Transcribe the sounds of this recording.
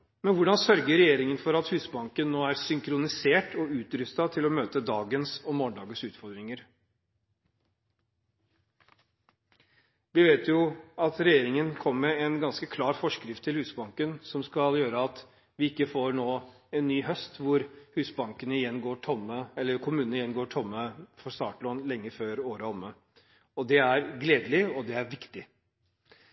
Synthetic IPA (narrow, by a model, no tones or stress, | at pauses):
mɛnʋʊɖɑnsœɾɡəɾɛjeːɾɪŋənfɔɾɑt̪hʉːsbɑŋkənːoːæɾsʏŋkʰɾʊnɪseːʈʰɔʉːt̪ɾʏst̪ɑt̪ʰɪlɔmøːt̪əd̪ɑːɡənsɔmːoːɳɖɑːɡənsʉːt̪fɔɾd̪ɾɪŋəɾ | ʋɪʋeːt̪ʰjʊɑt̪ɾɛjeːɾɪŋənkʰɔmːɛɛnɡɑnskəkʰlɑːɾfɔʂkɾɪft̪ʰːɪlhʉːsbɑŋkənsɔmskɑljøːɾəɑt̪ | ʋɪɪkːəfoːɾɳoː | ɛnːyːɦœst̪ʋʊɾhʉːsbɑŋkənəɪjɛnːɡoːʈʰɔmːəɛlːəɾkʰʊmʉːnnɪjɛnːɡoːʈʰɔmːəfɔɾst̪ɑ̰ːʈlɔnlɛŋːəføːɾoːɾəɔmːə | ɔd̪ɛæɾɡleːd̪əlɪɔd̪ɛæɾʋɪkt̪ɪ